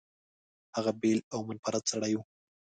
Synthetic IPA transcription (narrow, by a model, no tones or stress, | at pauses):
haɣabelawmʊnpaɾat̪saɽaju